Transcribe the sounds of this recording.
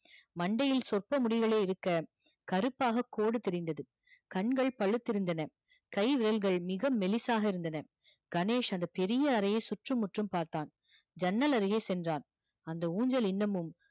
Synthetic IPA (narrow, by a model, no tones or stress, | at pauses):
mɐɳɖɐjɪlsɔrpɐmʊɽɪɣɐɭeːɪɾɯkːɐ | kɐɾɯpːaːɣɐkːoːɽɯt̪ɛɾɪnd̪ɐðɯ | kɐɳɡɐɭpɐɭɯt̪ːɪɾɯnd̪ɐnɐ | kɐɪʋɪɾɐlɣɐɭmɪɣɐmːɛlɪsaːɣɐɪɾɯnd̪ɐnɐ | ɡ̥ɐneːʂɐnd̪ɐpɛɾɪjɐːɾɐjɐsʊʈrɯmːʊʈrɯmpaːɾt̪aːn | d͡ʒɐnːɐlɐɾɯɣeːsɛndraːn | ɐnd̪ɐuːɲd͡ʒɐlɪnːɐmɯm